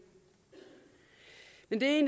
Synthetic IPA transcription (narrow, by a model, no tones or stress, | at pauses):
mend̥een